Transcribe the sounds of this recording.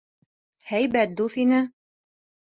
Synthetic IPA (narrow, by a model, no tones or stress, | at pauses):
hæjbæt̪̚d̪uθinɘ